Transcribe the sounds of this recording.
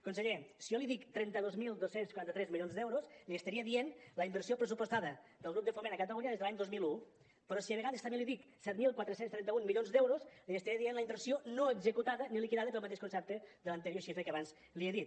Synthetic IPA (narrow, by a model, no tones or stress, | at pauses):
kunsəʎesiɔliðikt̪ɾɛnt̪əðozmilˠd̪osenskuɾant̪ət̪ɾɛzmiʎjonzðɛwɾosliəst̪əɾiəðienləimbəɾrsiopɾəsupost̪aðəd̪əlˠɣɾup̚d̪əfomenəkət̪əluɲəðezðəlaɲd̪ozmilu | pəɾɔsiəβəɣaðəst̪əmeliðiksɛt̪milˠkwat̪ɾəsenst̪ɾɛnt̪əunmiʎonzðɛwɾosliəst̪aɾiəðienləimbəɾsionoəɡzəkut̪aðənilikiðaðəpəlˠmət̪eʃkunsɛp̚t̪əd̪ələnt̪ɾjoʃifɾekəaβanz | lieðit̪